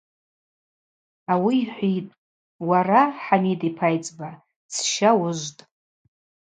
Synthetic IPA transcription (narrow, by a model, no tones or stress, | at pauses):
awiːħʷitʼ | waɾaħanidʼipʰajt͡sʼba | t͡sʰʃawʊʒʷtʼ